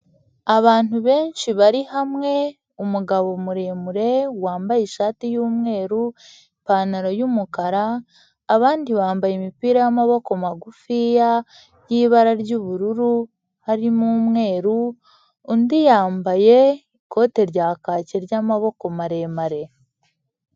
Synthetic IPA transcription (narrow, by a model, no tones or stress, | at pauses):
aβaːnuβe̞ːnʃiβaɾihamŋe̞ | umuɡaβo̞muɾe̞ːmuɾe̞waːmbajeʃaːtijuːmŋe̞ːɾu | mpaːnaɾojumukaɾaː | βaːndiβaːmbajemipiːɾajamaβo̞komaɡufija | jiːβaɾaɾɟuβuɾuɾu | haɾimumŋe̞ːɾuː | ndijaːmbaje̞iko̞ːte̞ɾɟaːkaːceɾjamaβo̞ko̞maɾe̞ːmaɾe̞